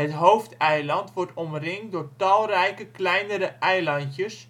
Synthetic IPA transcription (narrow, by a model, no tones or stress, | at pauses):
ɦətɦowftɛjlɑntʋɔrtɔmrɪŋdʊːrtɑlˠrɛjkəklɛjnəɾəʔɛjlɑntjəs